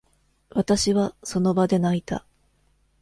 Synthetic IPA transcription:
βat̪aɕiβaso̞no̞bad̪e̞nait̪a̰

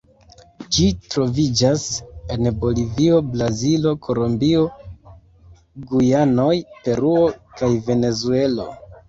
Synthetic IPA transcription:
d͡ʒitɾo̞vid͡ʒase̞nbo̞livio̞blazilo̞kʰo̞lombio̞ | ɡujano̞jpe̞ɾuo̞kajve̞ne̞zue̞lo̞̰

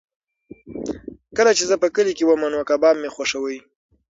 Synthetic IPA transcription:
kəlat͡ʃezəpəkəlikewəmənwakabɑmːexwaʂəwəj

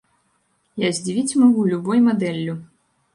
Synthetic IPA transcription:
jazʲd͡zʲivʲit͡sʲmaɣulʲubɔjmad̪ɛlʲːu

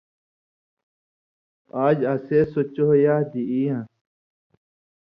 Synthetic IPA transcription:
aːd͡ʑaseːsot͡ɕoɦjaːd̪iiã

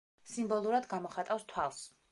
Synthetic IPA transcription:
simbɔlˠuɾad̪ɡamɔχat̪ʼafst̪ʰwalˠs

